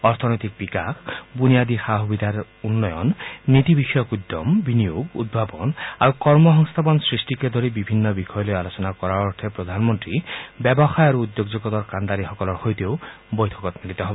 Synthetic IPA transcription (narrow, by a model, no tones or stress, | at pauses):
ɔɾt̪ʰɔnɔjt̪ik̚bikakʰbunijad̪ixaɦubid̪ʱaɾ | unːɔjɔ̰nːit̪ibixɔjɔkud̪ːɔmbinijoɡṵd̪̚bʱapɔna̰ɾukɔɾmɔɦɔŋst̪ʰapɔnsɾisʈiked̪ʱoɾibibʱinːɔbixʰɔjɔlojalot͡ɕɔnakɔɾaɔt̪ʰepɾɔd̪ʱanmɔnt̪ɾibɛbɔxajaɾuud̪joɡd͡ʒoɡɔt̪ɔɾkand̪aɾixɔkɔlɔɾxojt̪iow | bojt̪ʰɔkɔt̪milit̪ɔɦɔbɔ